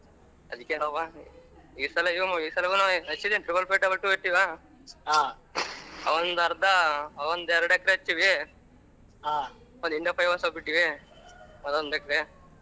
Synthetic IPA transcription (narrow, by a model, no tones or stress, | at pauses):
ɐ̰d̪ikːenoːʋa | iːsɐlɐiɐmɐiːsɐlɐkunaɐt͡ʃːid̪enʈɾiʋɐlpeʈːɐʋɐɭʈːueʈːiʋaː | a | ɐʋɐnd̪ɐɾd̪ɐʋɐnd̪ɛɾɐɽɛkːɐɾeɐt͡ʃːiʋi | ɦaː | nd̪iɳɖɐpɐjʋɐsɐpiʈːiʋi | mɐd̪ond̪ɛkːɐɾe